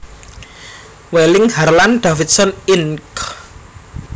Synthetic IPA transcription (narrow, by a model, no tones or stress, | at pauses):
welɪŋharland̪̥afit̪̚sɔnink